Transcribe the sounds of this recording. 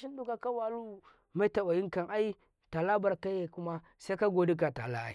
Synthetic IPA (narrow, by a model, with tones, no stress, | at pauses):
ʃi˦ndu˦ka˨ka˦wa˨˦lu˦ | ma˦ta˨wa˨ji˦ŋka˨ŋʔa˦i˦ | ta˨la˦ba˨ɾka˦je˨kʊ˦ma˦ | sa˦ka˦ɡo˦di˦k̬a˨ta̰˨la̰˦ʔa̰˨˦